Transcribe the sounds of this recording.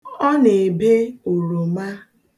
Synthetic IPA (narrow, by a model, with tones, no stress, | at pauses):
ɔ˦ne˨be˦o˨ɾo˨ma˦